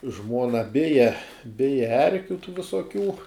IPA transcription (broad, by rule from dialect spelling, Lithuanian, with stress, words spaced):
ˈʒmuɔnɐ ˈbʲɪjɛ ˈbʲɪjɛ ˈɛrʲkʲʊ tuː ʋʲɪsoːˈkʲuː